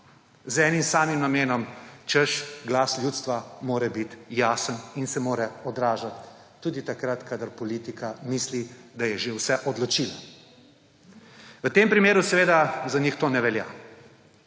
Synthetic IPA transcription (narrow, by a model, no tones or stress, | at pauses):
zɛːnimsaːmimnameːnɔmt͡ʃəʃɡlaːsljuːt̪st̪ʋamoːɾɛbit̪jaːsəninsɛmoːɾɛɔd̪ɾaːʒat̪ː | uːd̪it̪akɾat̪kad̪əɾpɔliːt̪ikʰamislid̪ajɛʒewsɛʔɔd̪lɔt͡ʃila | ʋət̪eːmpɾimeːɾusɛʋeːd̪azanixt̪oːnɛʋɛlja̰ː